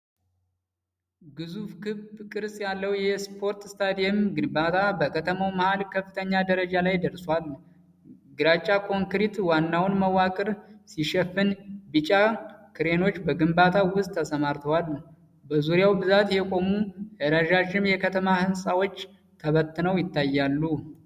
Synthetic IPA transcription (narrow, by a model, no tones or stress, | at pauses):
ɡɨzufkʰɨbkʼɨɾsʼjalːəwjɛspʰo̞ɾt̪st̪ʰad̪ijɛmɡɨnbat̪ʰabəkʰət̪ʰəmawməhalkʰəfːɨt̪ʰəɲːad̪əɾəd͡ʒalajd̪əɾswalː | ɡɨɾat͡ʃʼːakʰo̞ŋkɾit̪wanːawnməwakʼɨɾsiʃɛfːɨnbit͡ʃʼakʰɨɾe̞no̞t͡ʃːbəɡɨmbat̪ʰawʊst̪ʰːəsəmaɾt̪ʰəwal | bəzuɾijawbɨzat̪jɛkʼo̞muʔɨɾəʒaʒɪmjɛkʰət̪ʰəmahɨnsʼawot͡ʃː | t̪ʰəβət̪ːɨnəwjɪt̪ʰːajːalːu